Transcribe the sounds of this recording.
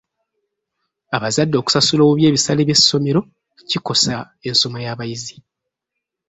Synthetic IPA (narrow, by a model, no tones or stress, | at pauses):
aβazadːo̞ːku̥sasulomuβje̞ːβisale̞ːβje̞sːo̞me̞ɾo̞ | ciko̞sa | e̞nso̞majaːβajizi